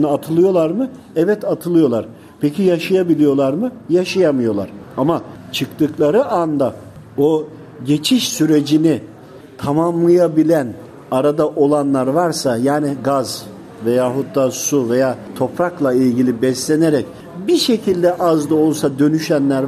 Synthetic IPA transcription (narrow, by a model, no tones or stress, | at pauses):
nɯat̪ʰɯlˠɯjo̞lˠaɾmɯ | ɛvɛt̪at̪ʰɯlˠɯjo̞lˠaɾ̥ | pʰecijaʃajabilʲijo̞lˠaɾmɯjaʃajamɯjo̞lˠa̰ɾ̥amat͡ʃʰɯkt̪ɯklˠaɾɯʔand̪a | o | ɟe̞t͡ʃʰiʃsyɾe̞d͡ʒini | t̪ʰamamlˠajabilʲæn | aɾad̪aʔo̞lˠanlˠaɾvaɾsajaːniɡaz | ve̞jaːɦut̪̚d̪asuve̞jaːt̪ʰo̞pɾaklˠailʲɟilʲibɛslʲe̞neɾɛc | biʃe̞cʰilʲd̪ɛʔazd̪aolˠsad̪ø̞nyʃænlʲæɾ